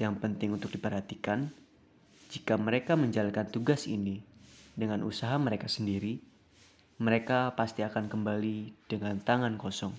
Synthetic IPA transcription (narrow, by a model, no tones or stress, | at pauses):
jaŋpənt̪ɪŋunt̪ʊk̚dipərɦat̪ikan | d͡ʒikaməɾekaməɲd͡ʒalankant̪uɡasḭnidəŋanʔṵsaɦaməɾekasəndiɾi | məɾekapast̪iakankəmbalid̥əŋant̪aŋankɔsɔŋ